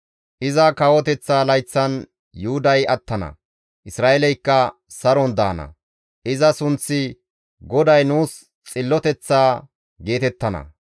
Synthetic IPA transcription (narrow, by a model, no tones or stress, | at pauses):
ʔɪzɐkɐwɔt̪ɛt͡sːaːlɐjt͡sːɐn | jʊhʊd̪ɐjɐt̪ːɐnɐ̰ | ʔɪsɾaːʔɛlɛjkːɐ | sɐɾɔnd̪a̰ːnɐ̰ | ʔɪzɐsʊnt͡sːɪ | ɡɔd̪ɐjnuːs | t͡sʼɪlːɔt̪ɛt͡sːaː | ɡe̞ːt̪ɛt̪ːɐnɐ̰